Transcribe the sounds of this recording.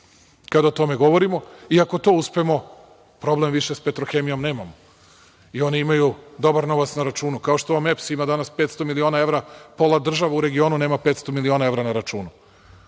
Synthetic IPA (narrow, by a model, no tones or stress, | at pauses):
kad̪aot̪o̞me̞ɡo̞ʋo̞ɾimo̞iako̞t̪o̞ːuspe̞mo̞ | pɾo̞blemʋiʃespet̪ɾoxe̞mijo̞mne̞ːmamo | io̞niimajud̪o̞baɾno̞ʋat̪snaɾat͡ʃuːnukaoʃt̪oʋamepsimad̪anaspeːt̪st̪omilio̞ːnae̞ʋɾapo̞lˠad̪r̩ʒaʋauɾe̞ɡio̞ːnuneːmapet̪st̪o̞milio̞naevɾanaɾat͡ʃuːnu